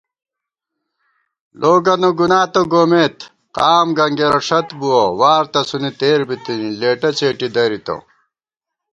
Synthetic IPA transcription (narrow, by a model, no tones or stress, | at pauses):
lʔoːɡɐnoɡunaːt̪oɡoːmeːt̪ | qaːmɡɐŋɡeɾɐʂɐt̪buwowaːɾt̪ɐsunit̪eːɾbit̪inileːʈɐt͡ɕeːʈid̪ɐɾit̪o̰